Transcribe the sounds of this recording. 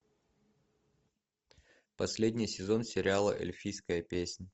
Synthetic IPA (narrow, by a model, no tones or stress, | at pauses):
pɐsʲlʲedʲnʲɪjsʲɪzo̞nsʲɪɾʲɪalˠə̰ʔḛlʲfʲijskəjəpʲesʲnʲ